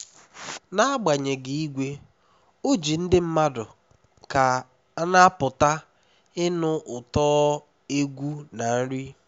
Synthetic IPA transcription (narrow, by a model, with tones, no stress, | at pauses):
na˦a˦ɡ͡ba˨ɲe˨ɡi˨i˦ɡʷe˦ | o˦d͡ʒi˨n̩˦dɪ˦m̩˦ma˦dʊ˨ | ka˨˦ | na˦pʊ˨ta˦ | ɪ˦nʊ˦ʔʊ˨tɔː˦ | e˦ɡʷu˦na˨n̩˦ɾi˦